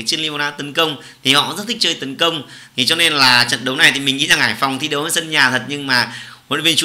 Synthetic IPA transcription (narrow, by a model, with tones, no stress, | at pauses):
t͡ɕi˦˥əli˧m˧na̰ː˧˦t̪ə˨˦nkə˧wŋ͡m | t̪ʰi˨˩hɔ̰˧˨zə˦˥t̪̚ʰi˦˥t͡ɕəː˧jt̪ə˨˦nkə˧wŋ͡m | t̪ʰi˨˩t͡ɕɔ˧ne˧nlaː˨˩t͡ɕə̰˧˨nɗə˨˦wna˨˩jt̪ʰi˨˩mï˨˩ŋʔḭ˧˥zaː˨˩ŋːʔaː˧˩jfa˨˩wŋ͡mt̪ʰi˧ɗə˨˦wəː˧˩jsə˧nɲaː˨˩t̪ʰə˨˩t̚ɲɨ˧ŋmaː˨˩o̰˧˨vi˧nt͡ɕu˨˦